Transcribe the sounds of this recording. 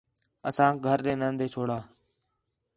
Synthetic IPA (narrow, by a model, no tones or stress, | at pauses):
əsãːɡʱəɾɗẽːnə̃nd̪ʱeːt͡ʃʰoːɽaː